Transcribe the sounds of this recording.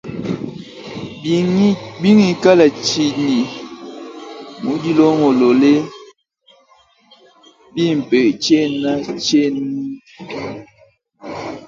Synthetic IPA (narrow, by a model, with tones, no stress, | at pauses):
bi˦ŋi˨ka˦la˨t͡ʃi˨ni˨ | mu˨˦di˦lo˦ŋo˨lo˨le˦ | bi˦m̩˨pe˨t͡ʃe˦˨na˦t͡ʃe˦n˦